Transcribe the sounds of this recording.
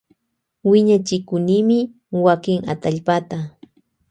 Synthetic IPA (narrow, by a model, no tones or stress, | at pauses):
wɪɲat͡ʃɪkʊniːmɪ | wakɪŋa̰t̪aʎpat̪a